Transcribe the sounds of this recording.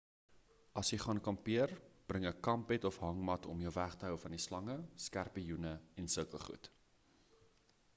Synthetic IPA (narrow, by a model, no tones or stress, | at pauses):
ɐsjəjχɑːnkɐmpiərb̥rəŋəkɐmpɛtɔfɦɐŋmɐtʰɔmjəwvæχtəɦœwfɐndislɐŋəskærpəjunəɛnsəkəχṵt